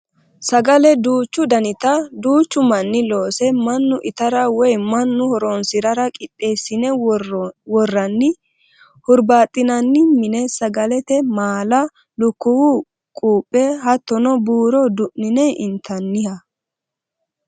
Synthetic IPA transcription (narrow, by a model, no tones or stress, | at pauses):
sɐɡɐlɛd̪uːt͡ʃːʊd̪ɐnɪt̪ɐd̪uːt͡ʃːʊmɐnːɪlo̞ːsɛmɐnːʊʔɪt̪ɐɾɐwɔjmɐnːʊhɔɾɔnsɪɾɐɾɐkʼɪɗʼːe̞ːsːɪnɛ | wɔrːɐnːɪ | hʊɾbaːt̪ʼːɪnɐnːɪmɪnɛsɐɡɐlɛt̪ɛmaːlɐ | lʊkːʊwu | kʼuːpʼːɛɦɐt̪ːɔnɔbuːɾɔd̪ʊʔnɪnɛʔɪnt̪ʰɐnːɪhɐ